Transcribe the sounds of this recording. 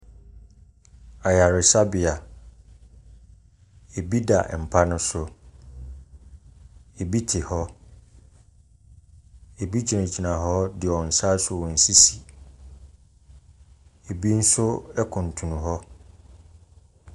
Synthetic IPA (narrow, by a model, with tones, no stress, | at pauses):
a˨ja˨ɾɪ˨sa˦bɪ˨a˨ | e˨bi˦da˨m̩˨pʰa˦nʊ̃˦sʊ˦ | e˨bi˦tʰɪ˨hɔ˦ | e˨bi˦d͡ʑʰi˨ã˨d͡ʑi˨nã˨ɦɔ˦dɪ˨ɔ˨n̩˨sa˦sʊ˨˦˨wɔ̃˨n̩˨si˦si˨ | e˨bi˦n̩˦sʊ˦ɛ˦kʰʊ̃˨n̩˨tʰũ˨nũ˨ɦɔ˦